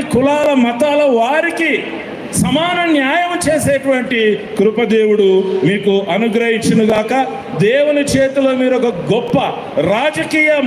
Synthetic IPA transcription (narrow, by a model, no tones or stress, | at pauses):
kulaːlɐmɐt̪aːlɐʋaːɾiki | sɐmaːnɐnjaːjɐmt͡ʃe̞ːseːʈuʋɐɳʈikɾupɐd̪e̞ːwuɽumiːkuʔɐnuɡɾɐɦiɲt͡ʃinuɡaːkɐ | d̪eːwunit͡ʃeːt̪ulo̞ːmiːɾɔkɐɡɔpːɐ | ɾaːd͡ʒɐkiːjɐ